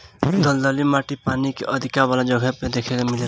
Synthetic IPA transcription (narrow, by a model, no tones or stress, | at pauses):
d̪ɔld̪əlimaʈipanikeʔəd̪ʱikaʋalad͡ʒɔɡʱəped̪ekʰekemɪle